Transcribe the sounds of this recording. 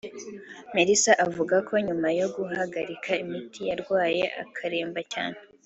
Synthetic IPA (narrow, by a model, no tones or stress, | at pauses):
meɾisaʔavuɡakʰo̞ɲumajo̞ɡuhaɡaɾikʰaimitʰijaɾɡwaːjeʔa̰kʰaɾe̞ːmbaca̰ːn̥e